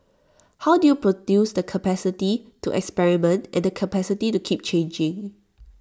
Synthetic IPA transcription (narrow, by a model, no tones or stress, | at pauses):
hawdujupɹodjusdəkʰəpɛsɪtituʔɛ̰kspɛɹimə̃ntʔɛ̰̃ndəkʰəpɛsititukʰip̚t͡ʃʰẽnd͡ʒɪ̃ŋ